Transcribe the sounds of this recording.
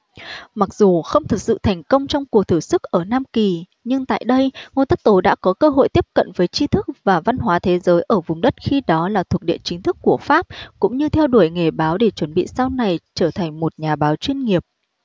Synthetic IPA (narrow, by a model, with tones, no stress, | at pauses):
ma˨˩k̚zu˨˩xə˧wŋ͡mt̪ʰɨ˨˩t̚sɨ̰˧˨t̪ʰɛ˨˩ŋ̟kə˧wŋ͡mt͡ɕɔ˧wŋ͡mku˨˩ək̚t̪ʰɨ˧˩sɨ˦˥k̚ʔəː˧˩naː˧mki˨˩ | ɲɨ˧ŋt̪a̰ː˧˨jɗə˧jŋo˧˨˩jt̪ə˦˥t̚t̪o˨˦ɗa̰ː˧˥kɔ˨˦kəː˧ɦo̰˧˨jt̪i˦˥əp̚kə̰˧˨nvəː˨˦jt͡ɕi˧t̪ʰɨ˦˥k̚vaː˨˩va˧nɦwaː˨˦t̪ʰe˨˦zəː˨˦jʔəː˧˩vʊ˨˩ŋ͡mɗə˦˥t̚xi˧ɗɔ˨˦laː˨˩t̪ʰu˨˩ək̚ɗḭ˧˨ənt͡ɕï˨˦ŋ̟t̪ʰɨ˦˥kːu˧˩əfaː˦˥p̚kʊ̰˧˥ŋ͡mɲɨ˧t̪ʰɛ˧wɗu˧˩əjŋe˧˩ɓaː˨˦wɗe˧˩t͡ɕwə˧˩nɓḭ˧˨sa˧wna˨˩jt͡ɕəː˧˩t̪ʰa˨˩ŋ̟mo˨˩t̚ɲaː˨˩ɓaː˨˦wt͡ɕwi˧ənŋi˨˩əp̚